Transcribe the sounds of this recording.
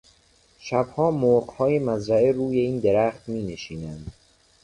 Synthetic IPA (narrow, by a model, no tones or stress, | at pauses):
ʃæbhɒːmoɢhɒːjemæzɾæeɾuːjeiːnd̪eɾæːxt̪miːneʃiːnænd̪̥